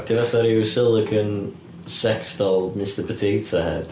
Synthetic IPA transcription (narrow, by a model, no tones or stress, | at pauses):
d̥ʰɪvaθaɾiwsɪlˠəkʰən | sɛkstɔlˠmɪstəpʰətʰeːtsahɛ̰d̥